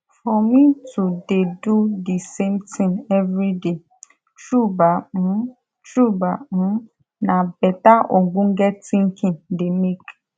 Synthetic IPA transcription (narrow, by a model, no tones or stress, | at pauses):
fɔmĩtudedudisemtĩŋɛvɾide | t͡ʃubam̩̃ | t͡ʃubam̩̃ | nãbɛtaʔoɡ͡bũŋ̩ɡɛtĩŋ̩kʰĩdemek